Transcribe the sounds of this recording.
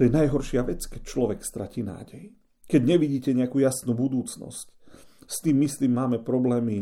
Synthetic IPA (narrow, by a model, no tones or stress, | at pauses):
ɔjɛnajɦɔɾʃɪaʋɛt͡skɛc̚t͡ʃlɔʋɛkst̪ɾa̰ciːna̰ːɟɛj | kɛɟɲɛʋiɟiːcɛɲɛakuːjasnubud̪uːt͡snɔ̰scst̪iːmːisliːmːaːmɛpɾɔblɛːmi